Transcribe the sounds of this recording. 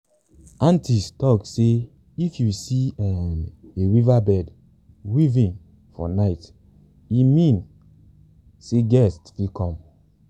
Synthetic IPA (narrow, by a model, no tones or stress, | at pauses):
ãntistɔkse | ifjusiɛeɹivabɛd | wivĩn | fɔ̰naɪt | imĩn | seɡɛstfikʰɔ̃m